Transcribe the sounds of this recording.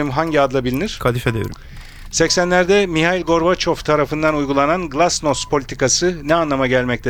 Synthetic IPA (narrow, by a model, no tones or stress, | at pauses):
imɦaɲɟiad̪lˠabilʲiniɾ̥kʰalifɛd̪ḛɾ | sɛcsænlʲæɾd̪ɛmiɦajilʲɡo̞ɾbat͡ʃʰo̞ft̪ʰaɾafɯnd̪anujɡulˠananɡlˠasnospʰo̞lʲit̪ʰikasɯnɛanlˠamaɟælʲmɛc̚t̪ʰɛ